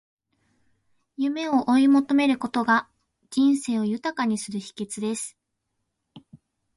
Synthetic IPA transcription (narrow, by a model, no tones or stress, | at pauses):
jɯ̟me̞o̞ʔoimo̞t̪o̞me̞ɾɯ̟ko̞t̪o̞ɡḁ | d͡ʑĩɰ̃se̞ːo̞jɯ̟t̪akaɲ̟isɨɾɯ̟çi̥ke̞t͡sɨd̪e̞sɨ̥